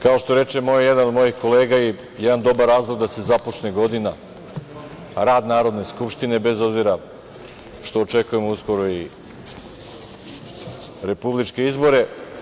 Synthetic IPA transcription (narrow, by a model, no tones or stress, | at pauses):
kao̞ʃt̪o̞ɾe̞t͡ʃe̞mo̞jjed̪anod̪mo̞jixko̞leːɡai | jed̪and̪o̞baɾːaːzloɡd̪ase̞zapot͡ʃneɡo̞d̪ina | ɾaːd̪naːɾo̞d̪ne̞skupʃt̪ine̞be̞zo̞bziɾa | ʃt̪o̞ːt͡ʃe̞kuje̞mousko̞ɾoi | ɾe̞publit͡ʃke̞izbo̞ɾe̞